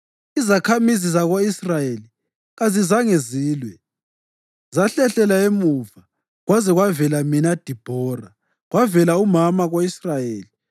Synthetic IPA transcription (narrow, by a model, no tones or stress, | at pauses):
izakʰamizizaɣoisrajeli | ɣazizaŋeziːlwɛ | zaɬɛɬɛlaemuva | ɣwazɛɣwavɛlaminad̥ʱib̥ʱɔra | ɣwavɛlaumamaɣoisrajeːli